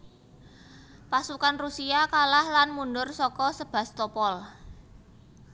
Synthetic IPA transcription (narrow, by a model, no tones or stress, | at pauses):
pasukanrusiakalahlanmunɖʊrsɔkɔsəb̥a̤st̪ɔpɔl